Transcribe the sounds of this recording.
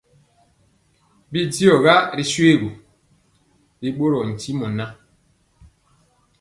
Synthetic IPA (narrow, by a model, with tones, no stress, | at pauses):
bi˦di˦ɔ˨ɣa˦ɾi˨swe˦˨ɣu˨ | ɾi˦ɓo˦ɾɔ˨n̩˨ti˦mu˨na˦